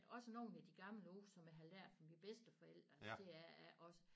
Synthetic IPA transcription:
ɒ̽səno̝ːn̩æd̥iɡ̥ɑ̈ml̩əoːsɒ̽mæɦælæɐ̰d̥fɒ̽mib̥esd̥əfɒ̽el̰d̥ɐsd̥e̝æɐæʔɒ̽sə

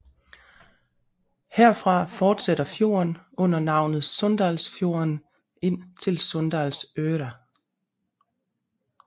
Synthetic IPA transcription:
heɐ̰fʁɑ̈fɒːd̥seɾ̥ɐfjo̝̰ːɐnɔ̽n̰ɐnɑ̈ʊ̰nð̩ˠsɔ̽nd̥ɑːlsfjo̝̰ɐn | e̝n̰t͡sʰe̝lsɔ̽nd̥æːlsøːɾæ

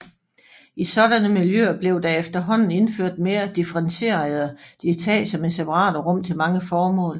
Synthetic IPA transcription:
isɒ̽ɾænəmiljøɐb̥le̝ʊd̥ɑ̈efd̥ɐɦɒ̽n̰n̩e̝nføɐ̰d̥me̝ːɐd̥ifəʁɑnse̝̰ːɐð̩ˠd̥et͡sʰɛ̰ːsɒ̽mensepʰɑʁɑ̰̈ːd̥ɐʁɔ̽m̰t͡sʰe̝lmɑ̈ŋəfɒːmɔ̰̽ːl

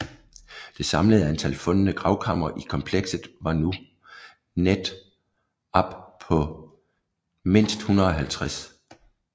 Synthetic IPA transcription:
d̥e̝sɑ̈mləð̞̩ˠæent͡sʰælfɔ̽nənəɡ̥ʁɑ̈ʊkʰɑ̈m̰ɐʔikʰɒ̽mpʰleɡ̥sð̩ˠʋɑ̈nu | ned̥ | ɒb̥pʰɒ̽ | me̝n̰sd̥hunɐðˠɒ̽ɦælt͡sʰʁas

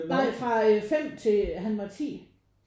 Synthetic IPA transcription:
ɪfʁɑ̈fem̰t͡sʰe̝ɦænʋɑ̈t͡sʰḭː

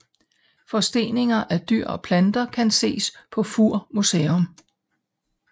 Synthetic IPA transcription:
fɒ̽sd̥e̝̰ːne̝ŋɐʔæd̥yɐ̰ɒ̽pʰlænd̥ɐkʰænse̝̰ːspʰɒ̽fuɐ̰museːɔm

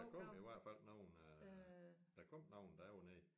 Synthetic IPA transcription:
ækʰɔm̰iʋæɐ̰d̥fæl̰nɑʊn | d̥ækʰɔm̰nɑ̈ʊ̰nd̥ɑæne

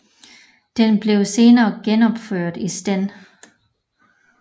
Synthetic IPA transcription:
d̥enb̥le̝ʊse̝ːnɐːɡ̥enɒ̽b̥føɐ̰d̥isd̥en̰

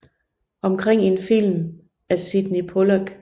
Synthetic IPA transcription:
ʔɒ̽mkʰʁeŋ̰e̝nfil̰m | æsid̥nipʰolɐɡ̥

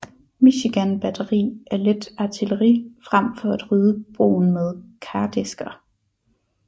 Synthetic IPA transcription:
miɕiɡ̥ænb̥æd̥ɐʁḭːʔæɐle̝d̥ɑ̈t͡sʰiləʁḭfʁam̰fɒ̽æd̥ʁyːðˠəb̥ʁo̝̰ːn̩með̞ˠkʰæːd̥esɡ̥ɐ

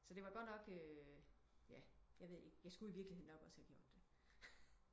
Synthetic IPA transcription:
sɒd̥e̝ʋɑ̈ɡ̥ɒ̥̽nɒ̽ɡ̥ø | jæjɑ̈ɪʋe̝ð̞̰ˠe̝ɡ̥jɑ̈ɪsɡ̥uiʋiɐɡ̥lihe̝ð̰ˠnɒ̽ɡ̥ɒ̽səhæɡ̥jo̝ɐ̰d̥ːe̝

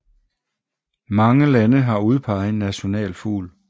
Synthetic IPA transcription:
mɑ̈ŋəlænəɦɑ̈uð̞ˠpʰɑ̈ɪð̩ˠe̝nːæɕo̝nɛ̰ːlfṵːl

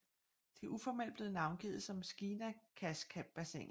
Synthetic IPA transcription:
d̥e̝ʔufɒmel̰db̥le̝ːð̩ˠnɑ̈ʊnɡ̥ḭð̩ˠsɒ̽msɡ̥iːnækʰæskʰæb̥̚bæsḛŋ

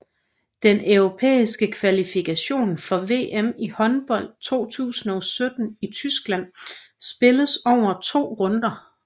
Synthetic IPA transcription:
d̥enʔœʊʁopʰḛːisɡ̥əkʰʋælifikʰæɕo̝̰ːnfɒ̽ʋe̝̰ːʔemihɒ̽nb̥ɒ̽l̰d̥̚t͡sʰo̝̰ːt͡sʰṵːsn̩ɒ̽sød̥n̩it͡sʰysɡ̥læn̰sb̥e̝ləsɒʊ̰ɐt͡sʰo̝̰ːʁɔ̽nd̥ɐ

